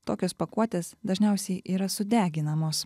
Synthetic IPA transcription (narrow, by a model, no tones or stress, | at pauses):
t̪oːkʲoːspɐkuɔt̪ʲeːsd̪ɐʒʲnʲɛˑʊsʲɛɪʔiːɾɐsʊd̪ʲæːɡʲɪnɐmoːs